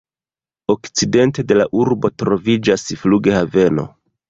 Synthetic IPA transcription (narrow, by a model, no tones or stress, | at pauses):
o̞kt͡side̞nte̞de̞laʔuɾbo̞tɾo̞vid͡ʒasfluɡehave̞no̞̰